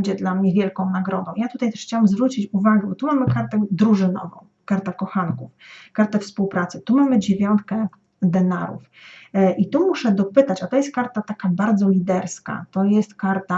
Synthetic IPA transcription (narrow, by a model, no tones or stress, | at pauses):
d͡ʑɛd̪lamɲɛvʲjɛlkɔ̃w̃naɡɾɔd̪ɔ̃w̃jat̪ut̪ajt̪ɛ̥ʂxt͡ɕawamzvɾut͡ɕit͡ɕuvaɡɛbɔt̪umamɘkaɾt̪ɛd̪ɾuʐɘnɔ̰vɔ̰̃w̃kaɾt̪akɔxankufkaɾt̪ɛfspuwpɾat̪sɘt̪umamɘd͡ʑevʲjɔnt̪̚kɛ | d̪ɛnaɾṵf | ʔit̪umuʂɛd̪ɔpɘt̪at͡ɕat̪ɔjɛst̪̚kaɾt̪at̪akabaɾd̪zɔlʲid̪ɛɾska̰t̪ɔjɛst̪kaɾt̪a